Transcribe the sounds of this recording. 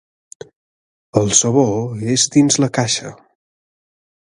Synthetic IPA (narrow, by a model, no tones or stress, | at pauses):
əlˠsəβoezd̪inzləkaʃə